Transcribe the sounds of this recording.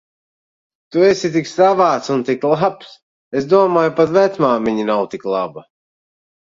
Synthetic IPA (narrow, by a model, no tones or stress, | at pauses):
t̪uɛsʲit̪iksavaːt̪sunt̪iklˠaps | esd̪uɔmaːjupat̪vɛt̪smaːviɲinawt̪iklˠaba